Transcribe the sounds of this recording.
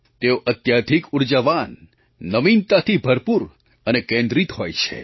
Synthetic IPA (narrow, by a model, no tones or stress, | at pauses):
t̪eoʔət̪jad̪ʱikuɾd͡ʒəʋanː | əʋint̪at̪ʰibʱəɾpuɾ | ənekẽnd̪ɾit̪ɦojt͡ʃʰḛ